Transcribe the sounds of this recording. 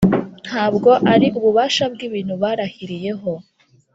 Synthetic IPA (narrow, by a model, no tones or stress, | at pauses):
n̥haːbɡo̞ʔaɾiuβuβaːʃabɡiβiːn̥huβaɾahiɾije̞ɦo̞